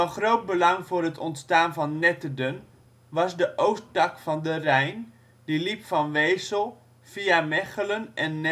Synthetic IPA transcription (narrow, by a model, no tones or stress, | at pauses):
ɑnχrowt̚bəlɑŋvʊːrɦətʰɔntstaːnvɑnːɛtədən | ʋɑsdəʔowstɑkfɑndərɛjn | dilipfɑnʋejsəlˠ | fiamɛχələnʔɛnːɛ